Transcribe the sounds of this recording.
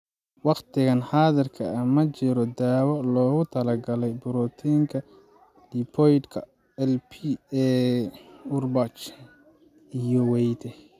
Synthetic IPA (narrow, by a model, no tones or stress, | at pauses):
wɑqt̪ʰɪɣɐnħaːðɐrkʰɐɐmɐt͡ʃɪɾɔd̪aːwɔlɔːɣʊt̪ʰɐlɐɡɐlɛjbʊɾɔt̪ʰiːŋkʰɐ | d̪ipʰɔjt̪kʰɐ | ɛlpʰiɛ | ʊrbɐt͡ʃ | ijɔwɛjt̪ʰɛ